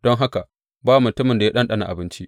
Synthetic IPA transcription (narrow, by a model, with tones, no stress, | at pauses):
d̥ɔ˦ŋɦa˦ka˨ | baː˦wa˨mʊ˨tʊ˦mɪ˨nda˨ja˦ɗɐ˦nɗɐ˦na̰˨ʔa˨bɪ˦nt͡ʃi˦ʔ